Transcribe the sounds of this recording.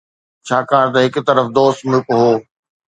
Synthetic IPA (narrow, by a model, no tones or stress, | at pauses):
t͡ɕʰaːkaːɾt̪̬ɐɦɪkt̪ɐɾəfd̪oːst̪mʊkɦoː